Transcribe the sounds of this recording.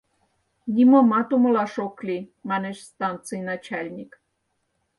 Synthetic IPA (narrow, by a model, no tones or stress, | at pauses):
nʲimomɑt̪umŏlɑʃoklʲimɑneʃst̪ɑnt̪t͡sɨjnɑt͡ɕælʲnʲik